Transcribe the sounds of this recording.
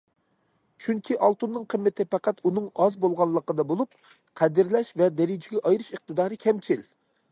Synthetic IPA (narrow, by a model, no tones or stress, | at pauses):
t͡ʃʰyŋkʲʰiʔɑlˠt̪unːɨŋqʰəmːɪt̪ʰɪpɛqæt̪unɨŋɑzbolˠʁɑnlˠːəqəd̪ɑbolˠup̚ | qʰɛd̪ɪɾlɛʃvɛd̪ɛɾɪd͡ʒɪɡʲɛʔɑjɾɨʃəq̚t̪ʰɨd̪ɑːɾɨkʲʰɛmt͡ʃʰil